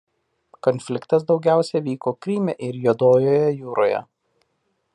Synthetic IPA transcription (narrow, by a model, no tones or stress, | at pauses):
kɔnʲfʲlʲɪkt̪ɐs̬d̪ɒʊɡʲæˑʊsʲɛʋʲiːkoːkɾʲiːmʲɛʔɪɾjuːd̪oːjoːjɛjuːɾoːjɛ̰